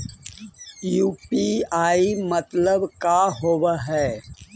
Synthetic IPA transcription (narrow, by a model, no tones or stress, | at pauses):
juːpiaːimət̪ləbkaɦoːwaɦɛː